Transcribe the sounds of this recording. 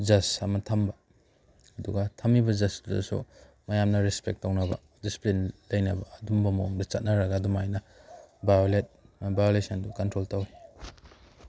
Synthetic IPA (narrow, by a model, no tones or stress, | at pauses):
d͡ʒɐsɐmɐtʰɐmbɐ | ɐduɡɐtʰɐmibɐd͡ʒɐsdɐ̰sṵ | mɐjamnɐɾespek̚tːɐwnɐbɐ | disi̥plinlɐjnɐbɐːdumbɐmɐoŋdɐt͡ʃɐt̚nɐɾɐɡaːdumajnɐ | bajolet̚mɐbajolesɐndukɐntɾoltɐwi